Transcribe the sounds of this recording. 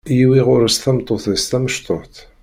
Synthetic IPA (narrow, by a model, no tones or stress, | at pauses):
jiwiʁʊɾst̪æmt̪ˤːoθðəst̪æməʃt̪oħθ